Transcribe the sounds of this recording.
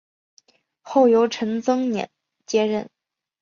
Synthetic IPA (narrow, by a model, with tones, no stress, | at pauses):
xo˥˩ʊjo˧˥ʊʈ͡ʂʰɤ˧˥ŋt͡sɤ˥ŋnjɛ̰˨˩˦n | t͡ɕjɛ˥ɻə˥˩n